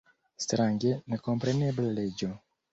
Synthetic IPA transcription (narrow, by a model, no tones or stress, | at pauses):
st̪ɾaŋɡenekompɾenebleled͡ʒo